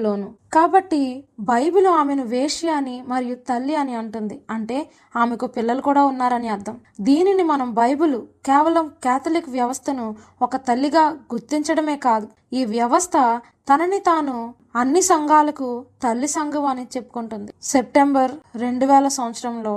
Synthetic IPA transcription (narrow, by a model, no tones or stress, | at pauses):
lo̞ːnukaːbɐʈːibʱɐjbuluaːme̞nuʋeːʂijaːnimɐɾijut̪ɐlːiɐniɐɳʈund̪iɐɳʈe̞ː | aːmekupilːɐlukuːɽaːunːaːɾɐniɐɾd̪ʱɐmd̪iːninimɐnɐmbʱɐjbulukɛːʋɐlɐmkɛːt̪ʰɐlikʋjɐʋɐst̪ʰɐnu | okɐt̪ɐlːiɡaːɡuɾt̪ːiɲt͡ʃɐɽɐme̞ːkaːd̪u | iːʋjɐʋɐst̪ʰɐ | t̪ɐnɐnit̪aːnu | ɐnːisɐŋɡaːlɐkut̪ɐlːisɐŋɡɐʋaːnit͡ʃe̞pːu̥kuɳʈund̪ise̞p̚ʈe̞mbɐɾːe̞ɳɖuʋɛːlɐsɐʋɐt̪sɐɾɐmlo̞ː